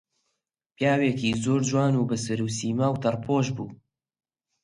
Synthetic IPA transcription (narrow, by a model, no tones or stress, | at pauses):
pjaːweːkiːzoːɾd͡ʒwaːnuːbɨsɨɾuːsiːmaːwt̪ʰɐrpʰoːʒbuː